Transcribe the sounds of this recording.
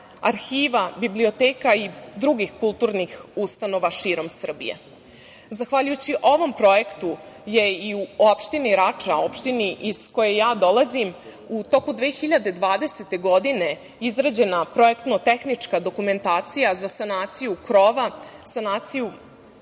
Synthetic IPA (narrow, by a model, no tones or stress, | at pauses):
aɾxiːʋabiblio̞t̪eːkaid̪ɾuɡixkulˠt̪uːɾnixust̪ano̞ʋaʃiːɾo̞msr̩bḭje̞̰ | zaxʋaʎujut͡ɕiʔo̞ʋo̞mpɾo̞jekt̪u | je̞iuopʃt̪iniɾat͡ʂaopʃt̪iniʔizko̞je̞jaːd̪o̞lazim | ut̪o̞kud̪ʋeːxiʎad̪e̞d̪ʋaːd̪e̞set̪e̞ɡo̞d̪ine̞ | izɾad͡ʑe̞napɾo̞e̞kt̪not̪e̞xnit͡ʂkad̪o̞kume̞nt̪aːt̪sijazasanaːt̪sijukɾo̞ʋasanaːt̪siju